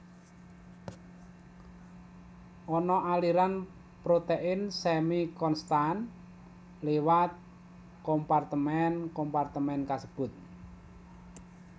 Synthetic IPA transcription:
ʔɔnɔʔaliɾan | pɾot̪eʔɪnsɛmikɔnst̪an | lewat̪̚ | kɔmpart̪əmɛnkɔmpart̪əmɛnkasəb̥ʊ̤t̪̚

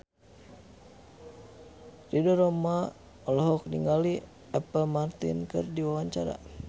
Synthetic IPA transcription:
ridɔɾɔma | ɔlɔɦɔk̚niŋɡali | ɛpəlmart̪ḭnkɨrdiwawaɲt͡ʃaɾa̰

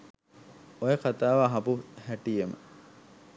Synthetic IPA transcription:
ojeqat̪aːʋaːɦɐpuhæʈijemə̰

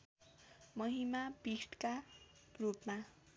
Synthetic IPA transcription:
mʌɦimabisʈka | rupma

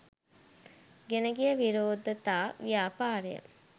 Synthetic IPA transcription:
ɡenəɡijəʋiɾoːd̪ət̪aːʋijaːpaːɾejə̰

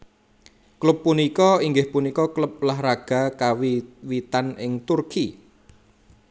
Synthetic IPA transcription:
klʊpːunikɔiŋɡɪhpunikɔklʊp̚laɦɾaɡ̥a̤kawiwit̪anɪŋt̪urki

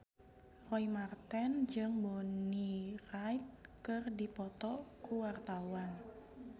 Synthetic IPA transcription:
rɔimart̪ɛnd͡ʒɨŋbonirajt̪̚kɨrdipɔt̪ɔkuwart̪awan

